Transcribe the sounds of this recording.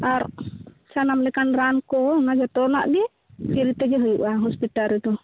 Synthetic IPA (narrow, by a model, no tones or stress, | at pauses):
aɾsanamlɛkanɾankɔnad͡ʒat̪ɔna̰ʔɡi | piɾit̪ɛd͡ʒɛɦɔjuʔaɦɔspit̪aɾɛd̪ɔ